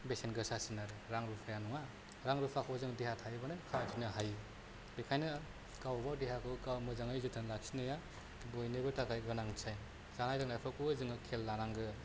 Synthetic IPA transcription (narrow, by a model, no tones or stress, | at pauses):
besenɡɯsasinaɾɯɾaŋɾupʰajanuŋa | ɾaŋɾɯpʰakʰɔzɯŋdihatʰajbanɯnkʰawtʰinɯɦaj | bekʰajnɯ | kawbawdeɦakʰɯkawmɯzaŋajzutʰɯnlak̚sinɯja | bojnebɯtakajɡɯnaŋt͡ʃʰaj | zanajdaŋlajpʰɔkuzɯŋɯkʰelːanaŋɡɯ